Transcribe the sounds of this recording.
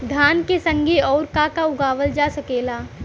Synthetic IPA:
d̪ʱjaːnkesɐ̃ŋɡʱeɔːɾkakaʊɡaːʋəld͡ʒaːsɐkeːlaː

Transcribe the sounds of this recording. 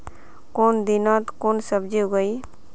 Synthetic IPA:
kond̪inɔt̪konsəbd͡ʒiɡəj

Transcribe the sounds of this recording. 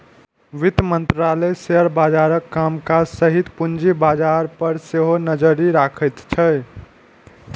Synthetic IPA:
ʋit̪mənt̪ɾaləseəɾbad͡ʒaɾəkːamkad͡ʒsəɦit̪pund͡ʒibad͡ʒaɾpəɾseɦonəd͡ʒəɾiɾakʰət̪t͡ʃʰəj

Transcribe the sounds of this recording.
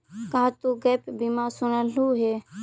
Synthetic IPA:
kaɦt̪uːɡeːpbimaːsʊnəluːɦeː

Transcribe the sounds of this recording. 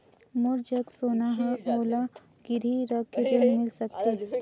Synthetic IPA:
mʊɾd͡ʒəɡsoːnaɦɛoːla | ɡ̥ɪɾiɾəkːiɾenmɪlsɐk̚t̪iɦɛ

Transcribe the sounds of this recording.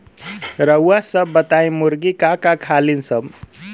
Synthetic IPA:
ɾʌwasʌbːət̪aj̃muɾɡikakakʰalinsʌb

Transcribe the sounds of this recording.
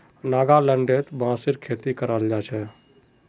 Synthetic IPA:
naːɡaləɳɖet̪bãːsɪɾkʰeːt̪ikəɾaːld͡ʒaːt͡ʃʰɛ

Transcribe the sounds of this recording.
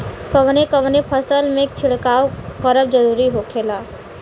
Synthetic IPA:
kəʋnekəmnepʰəsəlmẽk̚t͡ʃʰɪɽkaːokəɾəb̚d͡ʒəɾuːɾiɦokʰeːlaː

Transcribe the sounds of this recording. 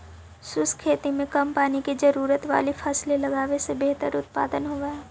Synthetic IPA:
sʊskʰeːt̪imẽkɐmpaːnikid͡ʒɐɾuːɾət̪ʋa̰ːlifʰaːslelɐɡaːʋesebeɦt̪əɾʊt̪̚paːd̪ənɦoːaːɛː

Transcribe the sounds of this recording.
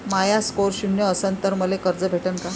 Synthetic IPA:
majaskoɾɕunjəəsənt̪əɾməlekəɾd͡zəbʱeʈənka

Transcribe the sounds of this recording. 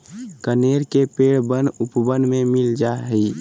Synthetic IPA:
kəneːɾkepeːɽbənʊpbənmẽmɪld͡ʒaɦi

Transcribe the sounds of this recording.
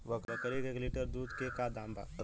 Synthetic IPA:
ʋəkɾɐkəɾiɡekliʈəɾd̪uːd̪kekad̪ãːmba̰ː

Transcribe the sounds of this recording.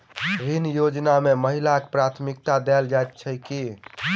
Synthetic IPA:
ɾinjod͡ʒnameməɦilakpɾat̪ʰmik̚t̪ad̪ɛld͡ʒajt̪̚t͡ʃʰəjki

